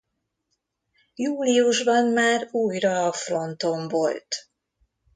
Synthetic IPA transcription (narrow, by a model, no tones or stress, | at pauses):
juːliuʒbɒnmaːɾuːjrɒːfro̞nt̪o̞ɱvo̞̰lt̪